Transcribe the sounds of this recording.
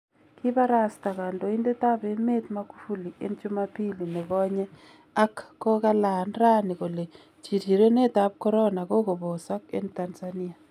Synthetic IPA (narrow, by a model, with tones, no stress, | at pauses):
kɪ˦ba˦ɾa˦st̪a˨ka˨ndo˨i˦nde˦t̪a˦be˨˦me˦t̪ma˦ku̥˦fu˦li˨ḛ˦nt͡ʃʊ˦ma˦pi˦li˨nɛ˨ɡɔ˦ɲɛ˦ | a˦kːɔ˦ka˦la˨nɾa˦ni˨ko˨le˨ | t͡ʃi˨ti˨ɾe˦ne˦t̪a˦b̚kɔ˦ɾɔ˦na˨ko˦ko˨bɔ˨sa˦kḛ˦nta˨nsani˦a˨